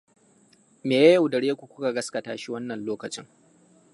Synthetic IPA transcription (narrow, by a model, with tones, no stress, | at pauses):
meː˨jɐ˦jɐ˨wdɐ˨ɽeː˦kʷu˨kʷʊ˦ka˨ɡɐ˦skɐ˨taː˦ʃi˦wɐ˦nːɐ˨nloː˦kɐ˨t͡ʃɪ̰˦ŋ